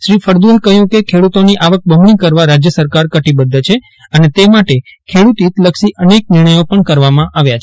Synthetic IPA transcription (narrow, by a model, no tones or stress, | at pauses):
ʃɾifʰəɾd̪uekəɦjũkekʰeɽut̪oniʔaʋək̚bʱəmɳikəɾʋaɾad͡ʒjəsəɾkaɾkəʈibəd̪ʱːt͡ʃʰe | ənet̪emaʈekʰeɽut̪it̪ləkʃiʔənek̚nɪɾɳ̃əjopəɳkəɾʋamãʔaʋjat͡ʃʰ